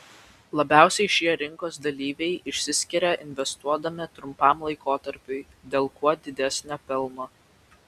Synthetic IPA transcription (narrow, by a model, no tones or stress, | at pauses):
lˠɐbʲæˑʊsʲɛɪʃʲiɛɾʲɪŋkoːsd̪ɐlʲiːʋʲɛɪʔɪʃʲsʲɪsʲkʲɪɾʲɛʔɪnʲʋʲɛst̪uɔd̪ɐmʲɪt̪ɾʊmpɑˑmlˠɐɪkoːt̪ɐɾʲpʲʊɪ | d̪ʲeːlˠkuɔd̪ʲɪd̪ʲɛsʲnʲofʲɪlˠmo